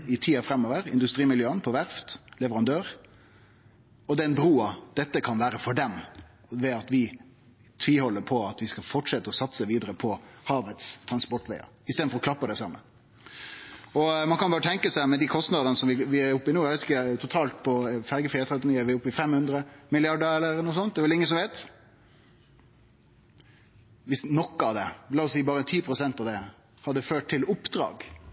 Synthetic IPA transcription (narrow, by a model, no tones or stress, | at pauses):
ɪt̪ʰiːɑfɾɛmːɔʋəɾɪ̰nd̪ʉst̪ɾiːmɪljøːənpʰɔʋæɾft̪lɛʋəɾɑnd̪øːɾ | ɔd̪ɛnbɾuːɑd̪̥ɛt̪ːəkʰɑnʋæːɾəfɔɖɛm | ʋɛɑt̪ʋɪ | t̪ʰʋɪlhɔlːəpʰɔɑt̪ʋɪskɑfɔʈʂɛt̪ːəɔsɑt̪səʋiːd̪əɾəpʰɔhɑːʋət̪st̪ʰɾɑnspɔʈːʋɛɪɑ̰ɪst̪eːd̪nfɔɾɔklɑpːəd̪ɛsɑmːə | ɔmɑnkɑnbɑːɾət̪ʰɛŋkəsæmɛnd̪ikʰɔst̪nɑd̪ənəsɔmʋɪʋɪæɾʊpːɪnuːɛʋʋɛɪt̪ɪkt̪ʰʊt̪ʰɑːlt̪pʰɔfæɾɡəfɪːt̪ʰɾɛt̪ːɪniːəʋɪæʊpːɪfɛmhʉnd̪ɾəmɪlɪɑɖəɾɛlːəɾnuːsɔnt̪̚d̪ɛːʋɛlɪŋːənsɔmʋeːt̪ | ʋɪsnɔkːəɑʋd̪ɛlɑːɔsiːbɑːɾət̪ʰiːpʰɾʊsɛnt̪ɑʋd̪ɛ | hɑd̪ːəføːʈ̚t̪ʰɪlʊpːd̪ɾɑ̰ːɡ